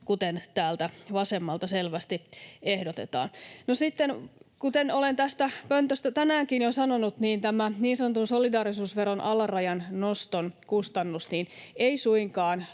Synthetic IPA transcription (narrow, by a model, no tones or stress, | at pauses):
kut̪ent̪æːlt̪æʋɑsemːɑlt̪ɑselʋæst̪iehdot̪ḛt̪ɑ̰ːnnosit̪ːenkut̪enolent̪æst̪æpønt̪øst̪æt̪ænæːŋkinjosɑnonut̪niːnt̪æmæniːnsɑnot̪unsolidɑːɾisuːsʋeɾonʔɑlɑrɑjɑnnost̪onkust̪ɑnːusniːneisuiŋkɑːn